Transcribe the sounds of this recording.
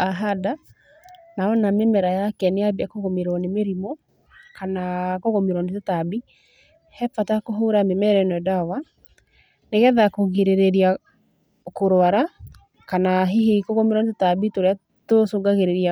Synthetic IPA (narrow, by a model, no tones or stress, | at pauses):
aɦada | naɔnamemɛɾajakɛneabiakoɣomeɾɔnemeɾimɔ | kanakoɣomeɾɔnetetabi | hɛpatakoɦoɾamemɛɾɛnɛdawa | neɣɛðakoɣeɾeɾeɾia | koɾoaɾa | kanaɦiɦikoɣomeɾɔnet̬etabitoɾea | tosoːɡaɣeɾeɾia